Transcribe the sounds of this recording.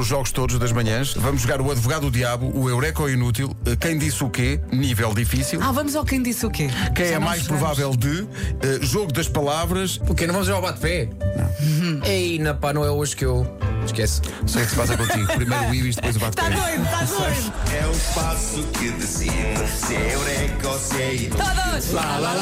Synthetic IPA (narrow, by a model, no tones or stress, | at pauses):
uʒɔɣuʃt̪oðuʒðɐʒmɐɲɐ̃ʃvɐmuʒːuɣaɾuɐðvuɣaðuðjaβṵʔːewɾɛkɔinut̪̬ilˠɛkɐ̃j̃d̪isukenivɛlˠd̪ifisilˠavɐmuzakɐ̃j̃d̪isukekɐ̃j̃ɛmajʃpɾuvavɛlˠd̪ɨ | ɛʒoɣuðɐʃpɐlˠavɾɐʃukenɐ̃w̃vɐmzʒuɣauβat̪̚pɛnɐ̰̃ɛinɐpanɐ̃w̃ɛoʒkewʃkɛssejukspasɐpɛlˠt̪ipɾimɐjɾiviʃd̪pojzuβat̪̚p̪pɛẽjt̪ã | ɛũʃpasukɨd̪ɨsiñsewɾɛkɔsɛiaðɐlala